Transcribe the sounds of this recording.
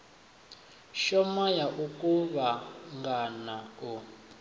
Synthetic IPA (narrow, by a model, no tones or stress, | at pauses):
ʃɔmajaʔukʼuβaŋɡanau